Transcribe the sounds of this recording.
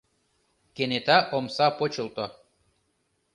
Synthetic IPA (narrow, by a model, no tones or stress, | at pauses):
kenet̪æʔomsɑpot͡ɕɤ̆lˠt̪o